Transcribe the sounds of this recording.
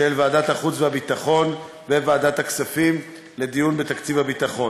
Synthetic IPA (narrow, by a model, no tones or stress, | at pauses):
elvaːdat̪haχut͡svehabit̪aχo̞n | vevaːdat̪haksafim | le̞d̪ijunbe̞t̪akt͡sivhabit̪aχo̞n